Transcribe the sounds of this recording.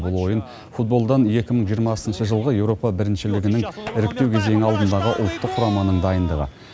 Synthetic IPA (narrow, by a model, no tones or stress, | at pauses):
bəlˠwo̞jən | fut̪̚bo̞lˠd̪ɑnje̞kʲɪməɴʒijəɾmɑsənʃəʒəlˠʁəje̞wɾo̞pɑbɪɾɪnʃɪlɪɡʲɪnɪŋɪɾɪk̚t̪e̞wkʲʰeze̞ŋɪɑlˠd̪ənd̪ɑʁəʔʊ̰lˠt̪ːəqʰːʊɾɑmɑnəɴd̪ɑjənd̪əʁə̰